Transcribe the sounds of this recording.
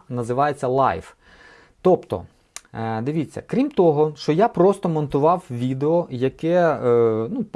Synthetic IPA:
nɐzɪʋɑjet͡sʲːɐlˠɑ̰jf | t̪ɔpt̪ɔ̰ | d̪ɪʋʲit͡sʲːɐ̰kɾʲimt̪ɔɦɔʃt͡ʃɔjapɾɔst̪ɔmɔnt̪ʊʋɑwʋʲid̪eɔjɐkɛ | nup

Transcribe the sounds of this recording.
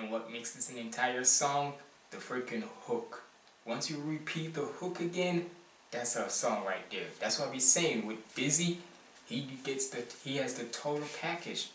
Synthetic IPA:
nwʌt̚mɪksðɨsɨ̃nɨ̃ntʰaɪə˞sɔ̃ŋ | ðɨfɹɪkɨ̃nhʊk | wʌ̃nsjɨɹipʰit̪̚ðəhʊkɨɡɛ̃n | ðætsəsɔ̃ŋɹaɪt̪̚ðɛ̰˞ðætswʌɾabiseɪɪ̃ŋwɨðb̥ɪzi | iɡɛtsðɨhiɨzðɨtʰoʊɾl̩ˠpʰækɨd̥ʒ̥

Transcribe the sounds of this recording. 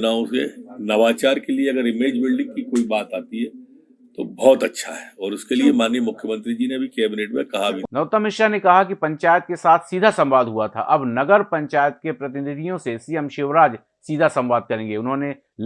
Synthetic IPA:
naːõsenɐʋaːt͡ʃaːɾkelieɐɡəɾɪmeːd͡ʒbɪlɖɪ̃ŋkikoːibaːt̪aːt̪iɦɛː | t̪obɔːt̪ɐtːʃʰa̰ɦɛːɔːɾʊskeliemaːnjemʊkʰːjəmə̃nt̪ɾid͡ʒineɐbʱikɛːbɪneːʈmḛ̃kɐɦabʱinɐt̪əmɪʃanekɐɦak̬ipɐ̃ɲt͡ʃaːjət̪̚kesaːt̪ʰsiːd̪ʱasɐ̃mʋaːd̪ʱɦuat̪ʰa̰ʔɐbnɐɡəɾpɐ̃ɲt͡ʃaːjət̪̚kepɾɐt̪ɪnɪd̪ʱijõsesiːjəmʃɪːʋɾaːd͡ʒ | siːd̪ʱasɐ̃mʋaːd̪̚kɐɾẽːŋɡeʊnɦõne

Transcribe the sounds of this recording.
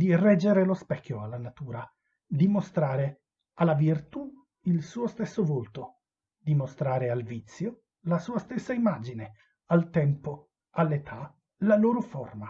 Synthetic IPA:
d̪irɛd͡ʒːeɾelospɛkʰʲːjoalːanat̪uːɾa | d̪imost̪ɾaːɾe | alːavirt̪u | ilsuːost̪esːovolt̪o | d̪imost̪ɾaːɾealvit̪sːjo | lasuːast̪esːaimad͡ʒine | alt̪ɛmpo | alːet̪ʰa | laloːɾoforma

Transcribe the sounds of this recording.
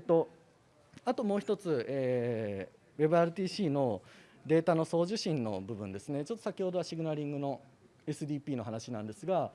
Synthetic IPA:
t̪ːo̞ | at̪o̞mo̞ːçi̥t̪o̞t͡sɨeː | βe̞bɯ̟aɾɯ̟t̪ʲiːɕiːno̞ | d̪e̞ːt̪ano̞so̞ːʑɨɕĩnːo̞̰bɯ̟bɯ̟̃nd̪e̞sɨne̞t͡ɕo̞t̪ːosakʲiho̞d̪o̞aɕiɡʲinaɾʲĩŋɡɯ̟no̞ | e̞sɨd̪ʲiːpʲiːno̞ɦanaɕinãnd̪e̞sɨɡa

